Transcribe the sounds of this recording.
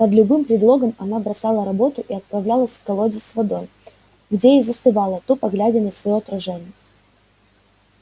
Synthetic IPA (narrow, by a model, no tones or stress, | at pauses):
pɐd̪lʲʊbɨmpɾʲɪd̪lˠo̞ɡəmɐnabɾɐsɑlˠəɾɐbo̞t̪ʊʔiɐt̪̚pɾɐvlʲalˠəsʲfkɐlˠodʲɪsvɐd̪o̞j | ɡdʲejejzəst̪ɨvɑlˠət̪upɐɡlʲædʲɪnəjsvɐjoɐt̪ɾɐʐɛnʲɪjə